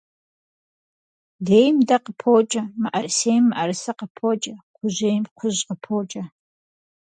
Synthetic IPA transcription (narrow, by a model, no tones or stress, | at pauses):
deːjmdɐqəpʰoːt͡ʃʼɐmɨʔɐrsejmːɨʔɐrsɐqəpʰoːt͡ʃʼɐqʷʰʊʑeːjmqʷʰʊʑqəpʰoːt͡ʃʼɐ